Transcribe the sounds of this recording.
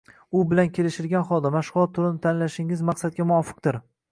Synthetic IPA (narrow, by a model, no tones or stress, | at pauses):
ʊbɪlankʲʰe̞lɪʃɪɾɡʲanχɒlˠd̪amaʃʁʊlˠɒt̪ʰːʊlɪnɪt̪ʰanlaʃɪŋɪzmɑqsad̪̚ɡʲamʊɒfɨ̥q̚d̪ɪɾ